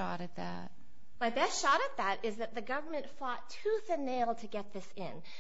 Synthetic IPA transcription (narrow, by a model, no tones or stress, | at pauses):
ɑ̰ɾɨt̪̚ðæ̰t̚ | maɪðɨʃɑɾɨt̪̚ðəɾɪzðɨt̪̚ðɨɡʌvə˞mɨ̃ntfɔtʰuθɨ̃nːeɪlˠtʰɨɡɛt̪̚ðɪsɪ̰̃n